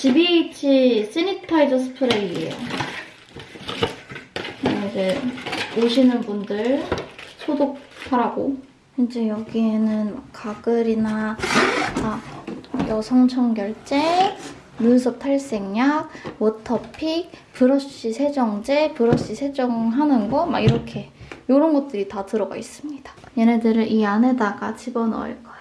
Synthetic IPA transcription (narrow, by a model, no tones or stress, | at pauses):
t͡ɕibit͡ɕʰis͈initʰaid͡ʑʌsʰɯ̥pʰɯɾeiiḛjo̰ | aid͡ʑe̞oɕʰinɯnbundɯɭsʰodok̚sʰaɾaɡo | kɯnd͡ʑejʌɡienɯnma̰kk͈aɡɯɾina | a | jʌsʰʌŋt͡ɕʰʌŋɡjʌɭt͡ɕ͈e̞ | munsʰʌp̚tʰaɭs͈e̞ŋɲak̚wʌtʰʌpʰik̚pɯɾʌɕ͈isʰe̞d͡ʑʌŋd͡ʑe̞pɯɾʌɕ͈isʰe̞d͡ʑʌŋɦanɯnɡʌma̰ɡiɾʌkʰe̞joɾʌnɡʌt̚t͈ɯɾitatɯɾʌɡa̰is͈ɯmɲid̥ḁ | jenedɯɾɯʔianɦe̞daɡat͡ɕibʌnʌ̰ɯ̰ɭk͈ʌj